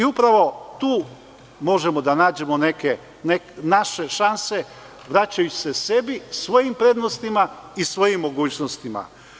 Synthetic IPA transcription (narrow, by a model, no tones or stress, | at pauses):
iupɾaʋo̞t̪uː | mo̞ʒe̞mo̞d̪anaːd͡ʑe̞mo̞neke | neknaʃe̞ʃanse̞ | ʋɾat͡ɕajut͡ɕi̥se̞se̞bisʋo̞jimpɾe̞d̪no̞st̪imaisʋo̞jimːo̞ɡuːt͡ɕnost̪ima̰